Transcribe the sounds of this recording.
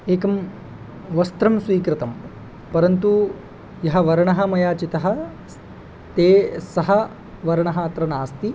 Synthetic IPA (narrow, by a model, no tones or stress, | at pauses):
eːkɐm | ʋɐst̪ɾɐmsʋiːkɾɪt̪ɐm | pɐɾɐnt̪u | jɐɦɐ̆ʋɐɾɐɳɐɦɐmɐjaːt͡ʃit̪ɐɦɐ̆ | t̪eːsɐɦɐ | ʋɐɾɐɳɐɦaːt̪ɾɐnaːst̪i